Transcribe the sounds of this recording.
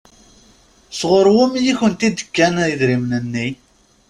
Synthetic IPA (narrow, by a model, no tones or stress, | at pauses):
sʁoɾwʊmjiçənt̪id̪ə̥kːæniðɾimnənːi